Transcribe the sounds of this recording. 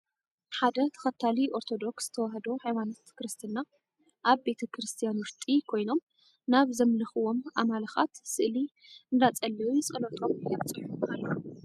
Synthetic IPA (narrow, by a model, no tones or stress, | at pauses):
ħad̪ɐt̪ʰɐ̥xɐt̪ʰːaliʔo̞ɾt̪ʰo̞d̪o̞ksz̥ɨ̥t̪ʰɐwaɦɐd̪oħajmanot̪kɾɨst̪ʰɨnːa | ʔaβbe̞t̪ʰɐkʰɾɨst̪ʰijanwɨɾt̪ʼikʰo̞jno̞m | naβzɐmlɐxɨwo̞mʔamalɐxa̰t̪sɨʔli | nd̪at͡sʼɐlːɐwujɛsʼɐlɐt̪ʼomjɛbt͡sʼɨħumalːo